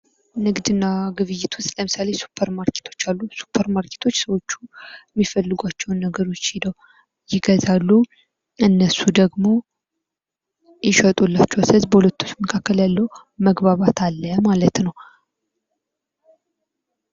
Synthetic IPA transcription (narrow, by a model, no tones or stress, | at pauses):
nɨɡd̪ɨnːaɡɨβɨjːɪt̪ʰwʊst̪ləmɨsale̞su̥pʰːəɾmaɾkʰe̥t̪ʰo̞̥t͡ʃːalːusu̥pʰəɾmaɾkʰe̥t̪ʰo̞t͡ʃːsəwo̞t͡ʃːu̥jɛmːifəlːɨɡʷat͡ʃːɛwnːəɡəɾo̞t͡ʃːidəw | jɪɡəzalːu | ɨnːəsud̪əɡmo̞ | jɪʃət̪ʼulːat͡ʃːɛwsəzbəhulət̪ːu̥t͡ʃːməkʰakːəljalːəw | məɡbaβat̪ʰalːəmalət̪nəw